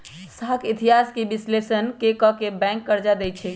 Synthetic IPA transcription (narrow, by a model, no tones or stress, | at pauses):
səɦəkʰit̪iɦaskebislesənkekɔkebɛ̃ŋkːəɾd͡ʒad̪ɛjt͡ʃʰɛ